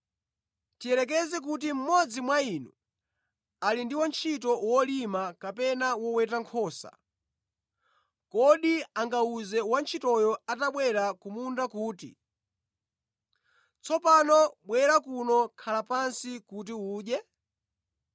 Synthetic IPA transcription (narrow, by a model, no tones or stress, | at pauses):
tijɛlɛk̬ɛzɛk̬ut̬im̩mɔd͡zimwainu | alindiwɔnt͡ʃʰitɔwɔlimakapɛnawɔwɛtaŋkʰɔsa̰ | kɔɗiaŋɡauzɛwant͡ʃʰitɔjɔataɓwɛɾakumundakuːtḭ | t͡sɔpanɔɓwɛɾakunɔkʰalapansikut̬iuːɗɛ